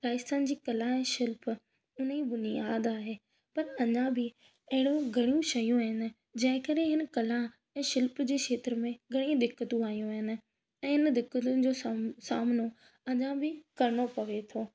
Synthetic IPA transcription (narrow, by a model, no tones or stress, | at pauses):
ɾaːɪst̪ənd͡ʑiːkɐlãɛ̃ːʃɪlp | ʊn̤ibʊnɪjaːd̪aːɦeː | pɐɾɐɲãbɪ | ɐɦɪɽoɡʱɐɽijũʃɐjũaːɦɪnɪ̆ | d͡ʑɐ̃ɦɪ̃kəɾẽɦɪn̆kɐlã | ɛ̃ːʃɪlpd͡ʑeːʃeːt̪ɾəmẽɡʱɐɽ̃ĩd̪ɪkːət̪ũaːijũaːɦɪnɪ̆ | ɛ̃ːɦɪnd̪ɪkːət̪ʊnɪ̆d͡ʑoːsaːmno | ɐɲãbɪkɐɾɪɽ̃opɐʋet̪ʰoː